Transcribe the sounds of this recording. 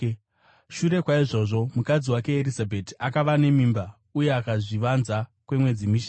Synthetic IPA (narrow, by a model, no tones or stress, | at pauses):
ʃuɾe̞kwaiʐo̞ʐo̞mukad͡ziwake̞ːɾizabʱetiakaʋane̞mimba | uje̞akaʐiʋanzakwe̞mwe̞d͡zimiʃ